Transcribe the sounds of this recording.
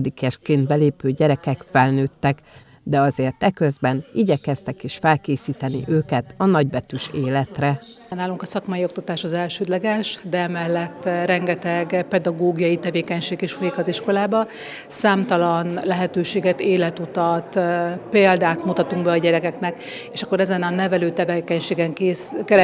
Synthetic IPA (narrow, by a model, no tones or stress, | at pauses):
d̪ikɛʃkeːnd̪̚bɛleːpøːɟɛɾɛkɛkfɛlnøːt̪ːɛk | d̪ɛɒzeːrt̪ɛkøzbɛniːɟɛkɛst̪ɛkeːʃfɛlkeːsiːt̪ɛnḭʔøːkɛt̪ɒnɒɟbɛt̪yʃeːlɛt̪rɛ | naːluŋkɒsɒkmɒjiok̚t̪ɒt̪aːʃɒzɛlʃøːd̪lɛɡɛʃd̪ɛɛmɛlːɛt̪ːɾɛŋɡɛt̪ɛɡpɛd̪ɒɡoːɡijɒjit̪ɛveːkɛɲʃeːɡeːʃfojikɒt̪iʃko̞laːbɒ | saːmt̪ɒlɒnlɛɦɛt̪øːʃeːɡɛt̪eːlɛt̪ut̪ɒt̪peːld̪aːt̪mut̪ɒt̪uŋɡbɛɒɟɛɾɛkɛknɛk | eːʃɒkːoɾɛzɛnɒnːɛvɛløːt̪ɛvekɛɲʃeːɡɛŋkeːskɛl